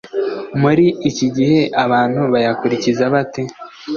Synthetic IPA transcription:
muɾiːciɟihe̞ʔaβaːn̥huβajakuɾicizaβate̞

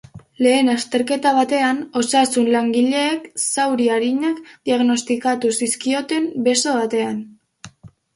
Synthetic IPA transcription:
le̞ːnast̪e̞ɾke̞t̪aβ̞at̪e̞ano̞sasunlaŋɡiʎe̞ːksawɾiaɾiɲakd̪iaɣno̞st̪ikat̪usiskio̞t̪e̞mbe̞so̞βat̪e̞an

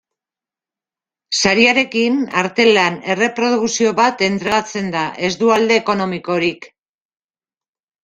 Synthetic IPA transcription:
saɾiaɾe̞kinaɾt̪e̞lane̞re̞pɾo̞ð̞ukuksio̞βat̪e̞nt̪ɾeɣat͡se̞nd̪aʔe̞zd̪uald̪e̞ːko̞no̞miko̞ɾik

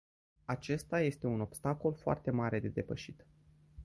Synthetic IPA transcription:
at͡ʃe̞st̪aje̞st̪e̞uno̞bst̪ako̞lfoa̰rt̪e̞maɾe̞d̪e̞d̪e̞pəʃit̪

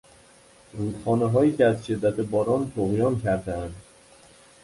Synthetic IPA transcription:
ɾuːd̪̥χɒːneɦɒːjiːcʰʲeæzʃe̞d̪ːæt̪ʰebɒːɾɒːnt̪ʰoɣjɒːncʰæɾd̪eænd̪

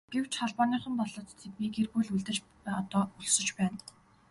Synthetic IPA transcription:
ɡ̥ew̥t͡ɕχɔɮpɔːniːχə̆mpɔɮɞ̆t̪t̪ʰːet̪miːkerɣujɮuɮt̪ɘ̆t͡ɕ | ɔt̪ɔːuɮsɵ̆t͡ɕpæːn

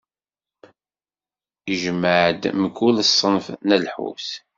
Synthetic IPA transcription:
iʒəmːəʕd̪məkːuləsˤːənfnælħṵs

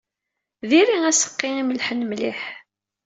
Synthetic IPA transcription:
ðiɾiæsə̥qːɪniməlħənmliħ

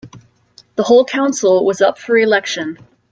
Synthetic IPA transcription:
ðəhoʊlˠkʰãʊ̃nsl̩ˠwʌzʌpfə˞ɨlɛkʃɨ̃n

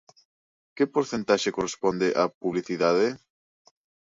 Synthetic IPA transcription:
kɪpoɾθẽnt̪aʃekorespond̪ɪʔapuβliθiðaðe

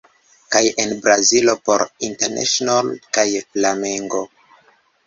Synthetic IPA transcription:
kajenbɾazilo̞po̞̰ɾinteɾnʔḛʃonalkajflameŋɡo̞

